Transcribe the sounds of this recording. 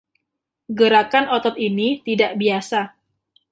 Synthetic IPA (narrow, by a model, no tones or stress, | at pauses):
ɡəɾakanɔt̪ɔt̪̚init̪idaʔbiasa